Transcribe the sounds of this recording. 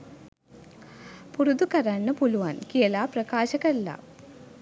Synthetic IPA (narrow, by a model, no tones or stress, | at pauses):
purud̪ukɐɾaːnːɐpuluʋaːnkijɐlaːprɐkaːɕɐkɐlːa̰